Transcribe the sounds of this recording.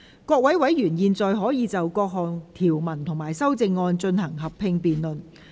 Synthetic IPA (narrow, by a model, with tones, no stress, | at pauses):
kʷɔː˧k̚wɐ˨˥jwɐ˨˥jɥyː˨˩njiː˨˧nt͡sɔː˨jɦɔː˨˥jiː˨˧t͡sɐ˨wkɔː˧k̚ɦɔː˨˩ŋt̪ʰiː˨˩wmɐ˨˩nt̪ʰʊ˨˩ŋmaː˨˩jsɐ˥wt͡sɪ˧ŋːɔː˧nt͡ʃɵ˧nhɐ˨˩ŋɦɐ˨pʰɪ˧ŋpiː˨nlɵ˨n